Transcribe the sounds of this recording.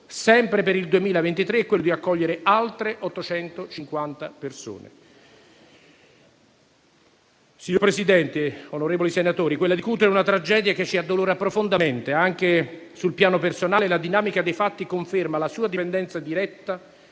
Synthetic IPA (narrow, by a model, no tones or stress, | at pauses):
sɛmpɾepeɾild̪uemiːlavent̪it̪ɾeɛkwelːod̪iakːɔʎːeɾealt̪ɾeʔɔt̪ːot͡ʃɛnt̪ot͡ʃiŋkwant̪aperso̰ːnḛ | siɲopɾesid̪ɛnt̪eonoɾeːvolisenat̪oːɾikwelːad̪ikuːt̪eɾeunat̪ɾad͡ʒɛːd̪jaket͡ʃːiad̪ːoloːɾapːɾofond̪ament̪eaŋk̟esulpjaːnopersonaːlelad̪inaːmikad̪ejfat̪ːikoɱfermalasuːad̪ipend̪ɛnt̪sad̪iɾɛt̪ːa